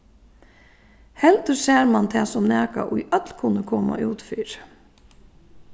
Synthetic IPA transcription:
hɛlt̪əɾseːɾmant̪ʰɛːsɔmnæːka̰ʔʊjʔœt̪lkʰʊnəkʰɔːma̰ʔuːt̪fiːɾ

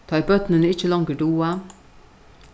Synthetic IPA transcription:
t̪ʰɑːbœt̪nənɪt͡ʃːəlɑŋɡəɖuːa

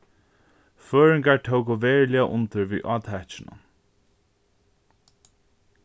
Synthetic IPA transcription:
føːɹɪŋkaɹt̪ʰowkʊʋeːɹlɪaʔʊ̰nt̪ɪɹʋḭːʔɔːt̪hɛt͡ʃɪnʊ̰n

